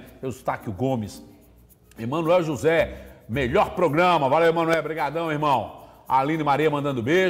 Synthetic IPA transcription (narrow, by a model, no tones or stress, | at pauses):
ewɪst̪akiʊɡõmɪs | emɐ̃nwɛwʒuzɛmeʎɔɾpɾoɡɾɐ̃mɐvalewemɐ̃nuɛwbɾiɡad̪ɐ̃w̃eɾmɐ̃w̃ | a̰lĩnɪmaɾiɐmɐ̃d̪ɐ̃nd̪ʊbe